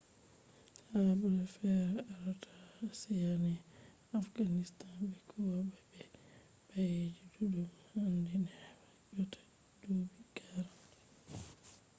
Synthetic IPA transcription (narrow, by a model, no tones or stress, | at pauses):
habulafɛɾaaɾɔtʰasɛjanɛ | afɡanistanbɛkʰɔwababɛ | b̥ajed͡ʒidudumhandinɛad͡ʒɔtʰḁ | d͡ʒobiɡaɾa